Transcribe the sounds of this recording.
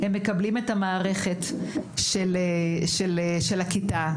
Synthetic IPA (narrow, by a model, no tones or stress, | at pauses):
hemːe̞kɐblimetamaːʁe̞χetʃeleʃelʃelakita